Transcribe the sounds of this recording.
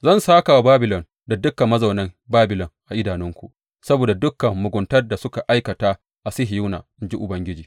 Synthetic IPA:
zɐ˦˨nsaː˦ka˨wa˨˦baː˦bɪ˨lɔ˨n | da˨dʊ˦kːɐ˨mːɐ˦za˨wnɐ˦mbaː˦bɪ˨lɔ˨ŋʔa˨ʔɪ˦daː˨nɪ˦ŋkʷṵ˨ | sɐ˦boː˨da˨dʊ˦kːɐ˨mːʊ˨ɡʷʊ˨ntɐ˦rda˨sʊ˦ka˨ʔa˦jkɐ˨taː˦ | ʔa˨sɪ˦ɦɪ˨ju˦na̰ː˨nd͡ʒi˦ʔʊ˨bɐ˦ŋɡʲɪ˦d͡ʒiː˨

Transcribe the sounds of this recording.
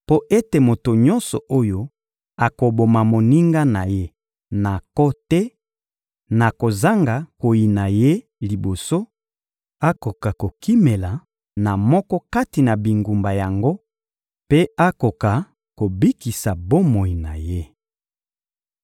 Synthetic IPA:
po˦ʔe˦te˨mo˨to˨ɲɔ˦nsɔ˨ʔo˦jo˦ | a˨ko˨bo˨ma˨mo˨ni˦ŋɡa˦na˨je˦ | na˨kɔ˦tɛ˦ | na˨ko˨za˦ŋɡa˨ko˨ji˨na˨je˦ | li˨bo˨so˦ | a˦ko˨ka˨ko˨ki˦me˨la˨ | na˨mɔ˦kɔ˦ka˦ti˨na˨bi˨ŋɡu˨mba˨ja˨ŋɡo˦ | pe˦a˦ko˨ka˨ | ko˨bi˦ki˨sa˨bo˦mo˨i˨na̰˨je˦

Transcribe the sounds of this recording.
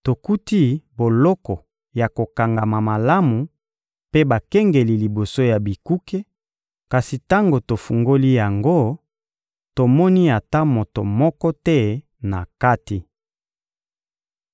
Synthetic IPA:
to˨ku˦ti˦bo˨lɔ˦kɔ˨ | ja˨ko˨ka˨ŋɡa˨ma˨ma˨la˦mu˨ | pe˦ba˨kɛ˦ŋɡe˨li˨li˨bo˨so˦ja˨bi˨ku˦ke˦ | ka˨si˨ta˦ŋɡo˨to˨fu˨ŋɡo˦li˦ja˨ŋɡo˦ | to˨mɔ˦ni˦a˨ta˦mo˨to̰˨mɔ˦kɔ˦tɛ˦ | na̰˨ka˦ti˨

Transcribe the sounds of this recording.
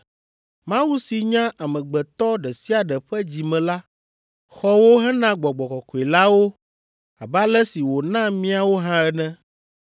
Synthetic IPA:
mã˦wu˦si˨ɲã˦ʔa˨mɛ̃˨ɡ͡bɛ˨t̪ɔ˦ɖɛ˨si˦a˨ɖɛ˨ɸɛ˦d͡ʑi˨mɛ̃˨la˦ | xɔ˦wo˦ɦɛ˦nã˦ɡ͡bɔ˨ɡ͡bɔ˨kɔ˨kɔ˨i˨la˦wo˦ | a˨ba˦lɛ˦si˨wo˨nã˦mĩ˦a˨wo˦ɦã˦ɛ˦nɛ̃˦

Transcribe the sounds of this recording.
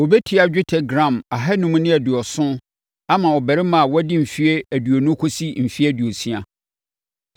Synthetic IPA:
wo˨bɛ˦tʰi˦a˨d͡ʑᶣɪ˦tʰɛ˨ɡɾã˨ma˨ɦɛ˦nʊ̃˦mũ˦nɪ̃˦æ˨dɪ˨ɔ˨sʊ̃˦ | a˦mã˨wɔ˨bæ˨ɾɪ˦mã˨wɔ˦dɪ˦m̩˨fi˦e˦æ˨du˨o˨nʊ̃˦kʰo˦si˦m̩˨fi˦æ˦dɥo˨si˦a̰˨

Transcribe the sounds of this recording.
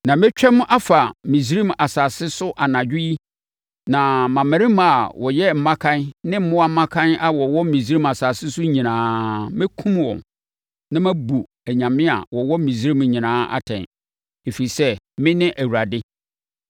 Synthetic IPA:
nã˨mɪ̃˦t͡ɕᶣɛ̃˦m̃˦ʔa˦fa˨mĩ˨s̬i˦ɾĩ˦ma˨saː˨sɪ˦sʊ˦ʔa˨nã˨d͡ʑᶣɪ˦i˦ | nã˨mã˨mɪ̃˨ɾɪ̃˦m˦a˨wɔ˨jɛ˦m̩˨˦mã˦kʰã˦nnɪ̃˦m̩˦mʊ̃˦wa˦m̩˦mã˦kʰã˦na˨wɔ˨wɔ˦m̩˦mĩ˨s̬i˦ɾĩ˦ma˨saː˨sɪ˦sʊ˦ɲĩ˨nãː˨˦mɪ̃˦kʰũ˦mwɔ̰̃˨m | nã˦mæ̃˦bu˨ | æ˨ɲã˨mɪ̃˦a̰˨wɔ˨wɔ˦m˦mĩ˨s̬ɾi˦m˨˦ɲĩ˨nãː˦ʔa̰˦tʰɛ̰̃˨n | e˨fi˨ɾi˨sɛ˦ | mɪ̃˦nɪ̃˦ʔæ˨wu˨ɾa˨dɪ˦

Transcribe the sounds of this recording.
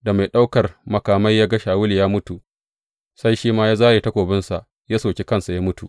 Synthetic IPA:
da˨ma˨jɗa˦wkɐ˨rmɐ˨kaː˨mɐ˦jːaː˦ɡɐ˦ʃaː˨wʊ˦li˨jaː˦mʊ˦tu˨ | sa˦jʃiː˦maː˦jaː˦zaː˦jeː˨tɐ˦kʷoː˨bɪ˦nsa˨ʔ | jaː˦soː˨kʲe˦kɐ˦nsa˨ja˦mʊ˦tṵ˨ʔ

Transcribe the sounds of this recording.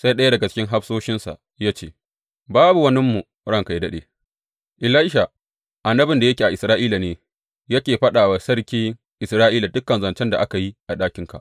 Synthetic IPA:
sa˦jɗɐ˦ja˦dɐ˨ɡa˨t͡ʃɪ̥˦kʲɪ˦ŋɦa˦ɸsoː˦ʃɪ˦nsa̰˨ʔ | jaː˦t͡ʃeː˦˨ | baː˦bu˨wɐ˦nɪ˦mːu˨ | ɽɐ˦ŋka˨jdɐ˦ɗḛː˨ | ʔɪ˨laː˦ɪ˦ʃa˨ | ʔa˨nːɐ˦bɪ˨nda˨jɐ˦kʲi˨a˨ʔɪ˨sɾaː˦ʔiː˦la˨neː˨ | jɐ˦kʲeː˨ɸɐ˦ɗaː˨wa˨sɐ˦ɽkʲiː˦ŋ | ʔɪ˨sɾaː˦ʔiː˦la˨dʊ˦kːɐ˨nzɐ˨nt͡ʃɛ˦nda˨ʔa˦ka˨ji˦ʔa˨ɗaː˦kʲɪ˦ŋka̰˨ʔ

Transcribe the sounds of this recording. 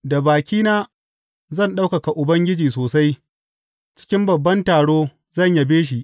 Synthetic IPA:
da˨baː˨kʲiː˦naː˦ | zɐ˦˨nɗa˦wka˨ka˨ʔʊ˨bɐ˦ŋɡʲɪ˦d͡ʒiː˨soː˨sa˦j | t͡ʃɪ̥˦kʲɪ˦mbɐ˨bːɐ˦ntaː˨ɽoː˦ | zɐ˦˨ɲja˨beː˦ʃ̬i˨ʔ

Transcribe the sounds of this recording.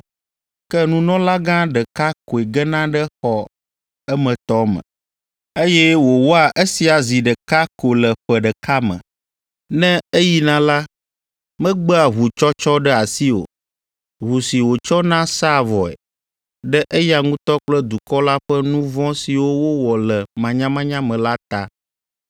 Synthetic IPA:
kɛ˦nũ˦nɔ̃˦la˦ɡã˦ɖə˨ka˦ko˨ɛ˨ɡɛ˦nã˦ɖɛ˦xɔ˨ | ɛ˦mɛ̃˨t̪ɔ˦mɛ̰̃˨ | e˦jɛ˦wo˨wo˦a˨ʔe˦si˨a˨zi˨ɖə˨ka˦ko˨lɛ˨ɸɛ˨ɖɛ˨ka˦mɛ̰̃˨ | nɛ̃˦e˦ji˦nã˦la˦ | mɛ̃˦ɡ͡bə˦a˨ɦu˨t͡ʃɔ˦t͡ʃɔ˦ɖɛ˦a˨si˦o̰˨ | ɦu˨si˨wo˨t͡ʃɔ˦nã˦sa˦˨vɔ˨ɛ̰˨ | ɖɛ˦ʔe˦ja˨ŋũ˦t̪ɔ˦k͡plə˦d̪u˨kɔ˦la˦ɸɛ˦nũ˦vɔ̃˦si˨wo˦wo˦wɔ˨lɛ˨mã˨ɲã˦mã˦ɲã˦mɛ̃˨la˦t̪a˦

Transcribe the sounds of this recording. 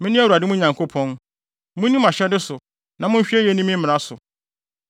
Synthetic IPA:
mɪ̃˦nɪ̃˦æ˦˨wa˨dɪ˦mũ˦ɲã˨ŋkʰo˦pʰɔ̃˦n | mʊ̃˦nĩ˦ma˨ɕɛ˦dɪ˦sʊ˨ | nã˨mʊ̃˦ɲ̩˦ɕᶣi˦e˦jɛ˦nĩ˦mɪ̃˦m̩˦mɪ̃˨ɾa˦sʊ˨

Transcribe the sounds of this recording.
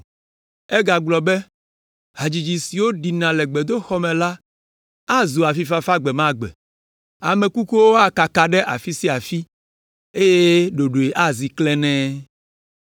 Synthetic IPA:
ɛ˦ɡa˨ɡ͡blɔ˨bɛ˦ | ɦa˨d͡ʑi˨d͡ʑi˨si˨wo˦ɖi˨nã˨lɛ˨ɡ͡bɛ˨d̪o˦xɔ˦mɛ̃˨la˦ | a˦zu˨a˨fi˦fa˦fa˦ɡ͡bɛ˨mã˦ɡ͡bɛ̰˨ | a˨mẽ˨ku˦ku˦wo˦a˦ka˨ka˨ɖɛ˦ʔa̰˨fi˦si˦a˨fi˦ | e˦je˦ɖo˨ɖo˨e˨ʔa˦zi˨klɛ˦nɛ̃˦

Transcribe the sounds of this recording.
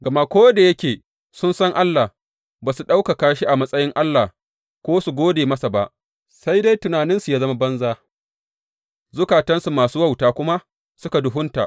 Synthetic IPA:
ɡɐ˨ma˦kʷoː˦da˨jɐ˦kʲeː˨ | sʊ˦nsɐ˦ŋʔa˦lːaː˨ | baː˨su˨ɗa˦wka˨kaː˦ʃi˦ʔa˨mɐ˦sʼɐ˦jɪ˦ŋʔa˦lːaː˨ | kʷoː˦su˨ɡʷoː˦deː˨mɐ˦sa˨ba˦ʔ | sa˦jda˦jtʊ˨naː˨nɪ˦nsu˨jaː˦zɐ˦ma˦bɐ˦nzaː˦ | zʊ˦kaː˨tɐ˦nsu˨maː˨suː˦wa˦˨wtaː˨kʷʊ˦ma˦ | sʊ˦ka˨dʊ˨ɦʊ˦nta̰˨ʔ

